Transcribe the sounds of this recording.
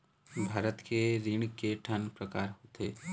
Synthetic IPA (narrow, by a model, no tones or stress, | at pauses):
bʱaːɾət̪keɾɪɳkeʈʰənpɾəkaːɾɦoːt̪eː